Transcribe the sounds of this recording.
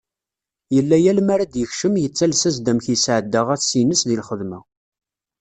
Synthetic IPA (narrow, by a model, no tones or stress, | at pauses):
jəlːæjælmaɾæd̪jəçʃəmjət͡sːælsæzd̪æmçjəsʕəd̪ːəʁæθsinəsðilχəðmæ